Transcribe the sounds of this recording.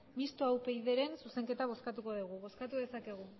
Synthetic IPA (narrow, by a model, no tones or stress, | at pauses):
mist̪oawpe̞jðe̞ɾe̞nsuse̞ŋke̞t̪aβ̞o̞skat̪uko̞ðuɣ̞uβo̞skat̪uðe̞sake̞ɣ̞u